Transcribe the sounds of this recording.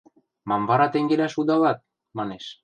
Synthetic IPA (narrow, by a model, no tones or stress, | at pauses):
mambaɾat̪eŋɡeɾasud̪aβat̪̚ | manes